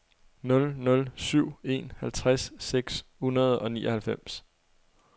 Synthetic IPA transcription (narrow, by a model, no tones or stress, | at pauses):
nɔ̽lnɔ̽lsyʊ̰e̝̰nhælt͡sʰʁasːeɡ̥shunɐð̞̩ˠɒ̽nḭːʔɒ̽hælfem̰s